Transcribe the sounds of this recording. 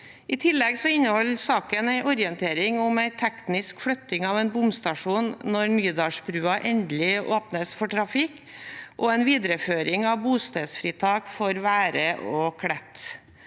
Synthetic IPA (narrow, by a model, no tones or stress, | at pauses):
ɪt̪ʰɪlːɛɡsɔɪnːəhɔlsɑːkənæɪʔɔɾɪənt̪ʰeːɾɪŋʊmæɪt̪ʰɛknɪskfɽœt̪ːɪŋɑʋɛnbʊmst̪ɑʂuːnːɔɾmyːd̪ɑːʂbɾʉːɑʔɛnd̪lɪʔoːpnəsfɔʈʰɾɑfɪk | ʔɔɛɪnʋiːd̪ɾəføːɾɪŋɑʋbuːst̪eːd̪sfɾiːt̪ʰɑːkfɔɾʋæːɾəʔɔkʰɽɛt̪ː